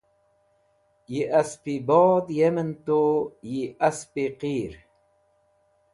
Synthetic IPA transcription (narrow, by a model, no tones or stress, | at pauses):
jiʔaspibɔːd̪jemənt̪ojiʔaspiqiːɾ